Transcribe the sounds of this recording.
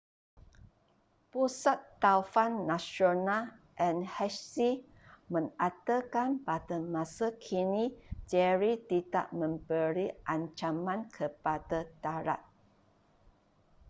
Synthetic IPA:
pusat̪ːaufanːãsonal | ʔɛ̃nhɛssi | mə̃ŋat̪əkanbatəmãsəkʰinĩd͡ʒɛɹit̪ida̰ʔmə̃mbəɾiʔaɲt͡ʃamãnkʰəpadadaɾa̰t̪̚

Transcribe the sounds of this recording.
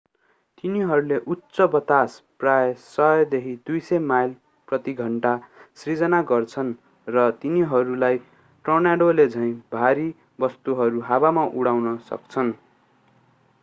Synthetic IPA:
t̪iniɦʌɾuleʔut̪sʌbʌt̪as | prajsʌjʌd̪ekʰid̪ujsʌjmajl | prʌt̪iɡʱʌɳʈasrid͡zʌnaɡʌrt͡sʰʌn | rʌt̪iniɦʌɾulaj | ʈrʌnaɽoled͡zʱʌ̃j̃bʱaɾi | bʌst̪uɦʌɾuɦabamaʔuɽawnʌsʌ̰kt͡sʰʌn

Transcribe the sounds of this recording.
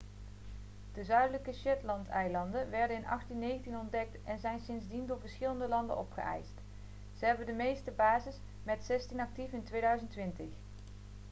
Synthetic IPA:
d̥əzœɥdələkəʃɛtlɑntɛjlɑndənʋɛɹdənɪnʔɑ̰χtinːejχəntinɔndɛk̚tɛnzɛjnsɪnzdindʊːɹvəɹsχɪləndəlɑndə̰nɔpχə̰ʔɛ̰jst | z̥əɦɛbəndəmejstəbaːzɪs | mɛtsɛstinɑk̚tifɪntʋejdœɥzəntːʋɪntəχ

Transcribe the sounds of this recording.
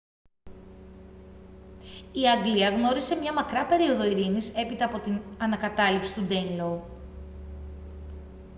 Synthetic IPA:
iɐŋɡliɐɣno̞ɾise̞mɲɐmɐkɾɐpe̞ɾio̞ðo̞iɾinise̞pit̪ɐːpo̞t̪inɐnɐkɐt̪ɐlipsi̥t̪ud̪enlou

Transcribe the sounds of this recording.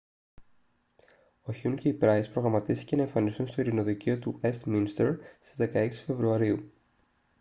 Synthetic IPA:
oçiuɲce̞ipɾɐispɾo̞ɣɾɐmɐt̪ist̪ice̞nɐeɱfɐnisunst̪o̞iɾino̞ðiceo̞t̪ue̞st̪minst̪eɾsizðe̞kɐe̞ksi̥fe̞vɾuɐɾiu

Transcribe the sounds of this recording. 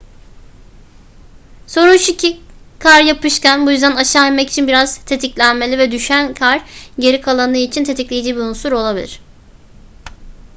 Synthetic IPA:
so̞ɾunʃicʰikʰaɾjapɯʃcænbujyzd̪ænaʃaːimɛci̥t͡ʃʰinbiɾaz̥t̪ʰe̞t̪ʰiclʲænme̞lʲivɛd̪yʃænkʰaɾɟe̞ɾikʰalˠanɯːit͡ʃʰint̪ʰe̞t̪ʰiclʲejid͡ʒiːbiɾunsuɾo̞lˠabil̰ʲɾ̝̥

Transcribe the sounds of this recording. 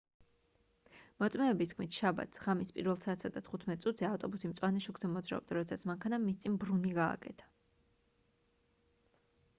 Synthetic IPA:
mɔt̪sʼmɛːbist̪kʰmit̪ʰʃaba̰t̪sʁamispʼiɾvɛlˠsaːt̪ʰsad̪at̪ʰχut̪ʰmɛt̪ʼsʼut̪ʰz̥ɛaft̪ʼɔbusimt̪sʼwanɛʃuɡzɛmɔd̪zɾa̰ɔbd̪aɾɔd̪ɛsat̪sʰmaŋkʰanamist̪sʼinbɾuniɡa̰ːkʼɛ̰t̪ʰḁ

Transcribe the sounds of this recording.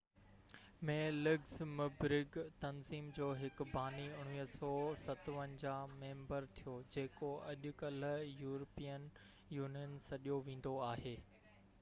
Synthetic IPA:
mẽːlɪɡzmɪbɾɪɡt̪ɐnziːmd͡ʑoːɦɪkbaːniʊɽ̃ʋiːɦsɔːsɐt̪ʋənɪ̆d͡ʑaːmẽːmbəɾt̪ʰijod͡ʑeːkoɐʄʊkɐljuːɾəpijən | juːnijənsɐɗijoʋẽːn̆d̪oaːɦeː

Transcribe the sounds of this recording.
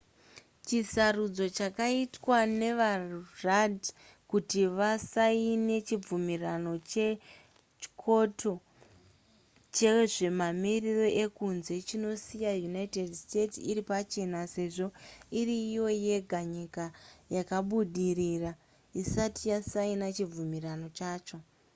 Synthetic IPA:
t͡ʃisarud͡zo̞t͡ʃakaitwane̞ʋarad | kutiʋasaine̞t͡ʃib͡vumirano̞t͡ʃe | t͡ʃkʰo̞tʰo̞ | t͡ʃe̞ʐe̞mamiriro̞ʔe̞kunze̞t͡ʃino̞sijajunaite̞dste̞tsiripat͡ʃe̞nase̞ʐo̞iriːjo̞je̞ɡʱaɲikajakaɓuɗirira | isatijasainat͡ʃib͡vumirano̞t͡ʃaːt͡ʃo̞

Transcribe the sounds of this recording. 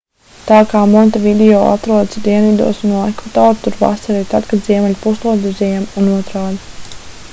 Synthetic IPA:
t̪aːkaːmɔnt̪avid̪ɛɔːa̰t̪ɾuɔd̪sd̪iɛnvid̪ṵɔsunuɛkvat̪oːɾt̪uɾva̰saɾit̪ad̪kad̪ziɛmɛlʲpuslˠuɔd̪izʲɛjɛmunuɔt̪ɾaːd̪

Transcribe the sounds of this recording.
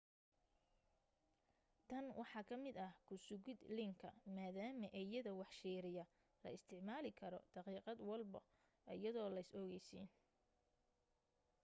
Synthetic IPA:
t̪ʰɐnwʔɑħɑːkʰɐmɪd̪ɐhkʰʊsʊɣɪd̪lɪŋkʰɐ̰maːðaːmɐʔɛjɐðɐwɑħʃiːɾɪjɐ | lɐ̰ɪst̪ʰɪʕmaːlɪkʰɐɾɔ̰d̪̥ɑqiːqɑd̪wɑlbɐ | ʔɐjɐðɔːlɐjsɔɣɛjsḭːn

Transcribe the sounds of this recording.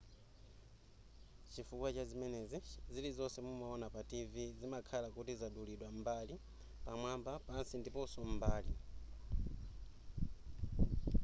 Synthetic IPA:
t͡ʃifukwat͡ʃazimɛnɛzizilizɔsɛmumaɔnapativizimakʰalakutizaɗuliɗwam̩bali | pamwambapansindipɔsɔm̩baːli

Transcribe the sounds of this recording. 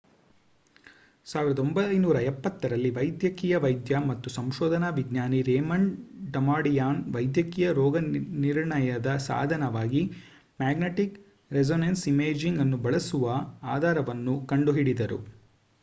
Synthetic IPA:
saːʋiɾɐd̪ombɐjnuːɾɐɛpːɐt̪ːɐɾɐlːiʋɐjd̪jɐkiːjɐʋɐjd̪jɐmɐt̪ːusɐmʃɔːd̪ʱɐnaʋiɡɲaːniɾeːmɐɳɖɐmaːɽijaːnʋɐjd̪jɐkiːjɐɾɔːɡɐniɾɳɐjɐd̪ɐsa̰ːd̪ʱɐnɐʋaːɡi | maːɡneʈik | ɾezoːnensimeːd͡ʒiŋɡɐnːubɐɭɐsuʋɐaːd̪ʱaːɾɐʋɐnːukɐɳɖuɦiɽid̪ɐɾṵ

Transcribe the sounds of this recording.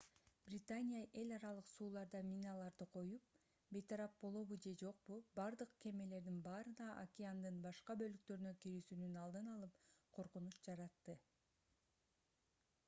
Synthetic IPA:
b̥rʲɪt̪anʲijaʔe̞lʲɑɾɑlˠɯqsuːlˠɑɾd̪ɑmʲinɑlˠɑɾd̪ɯqʰo̞jup̚ | be̞jt̪ʰɑɾɑp̚bo̞lˠo̞βud͡ʒe̞d͡ʒo̞q̚pubɑɾd̪ɯqkʰe̞me̞le̞ɾd̪inbɑːɾɯnɑʔakʲɪand̪ɯnbɑʃqɑbø̞lyk̚t̪ø̞ɾynøkiɾysynynɑlˠd̪ɯnɑlˠɯpqʰo̞ɾqunut͡ʃd͡ʒɑɾɑt̪ːɯ

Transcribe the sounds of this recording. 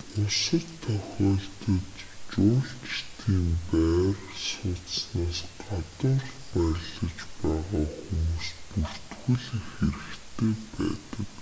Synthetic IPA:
ʊsə̆t̪ʰœxʲɔːɮt̪ə̆t̪t͡ɕʊːɮt͡ɕi̥t̪iːmpæːrsʊːt͡ssnaːsɢat̪ʊɮpæɾʲɮə̆t͡ɕpæːʁaːxumuːspur̥t̪ɡŭɮxeɾɘ̆kt̪ʰeːpæ̰ːt̪ə̆k

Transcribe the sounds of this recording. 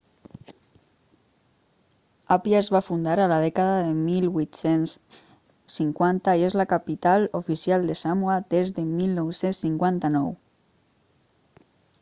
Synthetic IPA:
apjaezβafund̪aɾalað̞ɛkaðaðemilβwit̪sensː | iŋkwant̪aiezlakapit̪alufisialˠd̪esamuad̪ezðemilnɔwsensːiŋkwant̪anɔw

